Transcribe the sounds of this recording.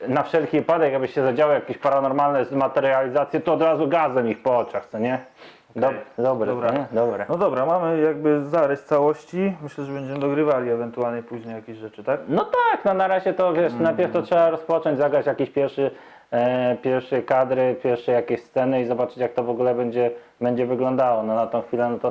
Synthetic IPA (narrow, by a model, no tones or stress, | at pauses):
nafʂɛlkʲiɨpad̪ɛkaɡbɘɕɛzad͡ʑawɔjakʲeɕpaɾanɔɾmalnɛmat̪ɛɾjalʲizat̪sʲjɛt̪ɔːd̪ɾazuɡazɛmixpɔɔt͡ʂaxt̪sɔɲɛ | d̪d̪ɔbɾɛɛd̪ɔbɾɛnɔd̪ɔbɾamamɘjaɡ̚bɘzaɾɛst̪sawɔɕt͡ɕimɘɕlɛʐɛbɛɲd͡ʑɛmɘd̪ɔɡɾɘvalʲiɛvɛnt̪ualɲɛpuʑɲejakʲeɕʐɛt͡ʂɘt̪aknɔt̪aknɔnaɾaʑɛt̪ɔvʲjɛʂnajpʲjɛɾft̪ɔtʂɛbaɾɔspɔt͡ʂɔ̃ɲd͡ʑʲzaɡɾat͡ɕjakʲiɕpʲjɛɾfʂɘ | pʲjɛɾfʂɛkad̪ɾɘpʲjɛɾfʂɛjakʲeɕst̪sɛnɘizɔbat͡ʂɘt͡ɕjak̚t̪ɔvɔɡulɛbɛɲd͡ʑɛ | bɛɲd͡ʑɛvɘɡlɔnd̪awɔnɔnat̪ɔ̃w̃xfʲilɛnɔt̪ɔ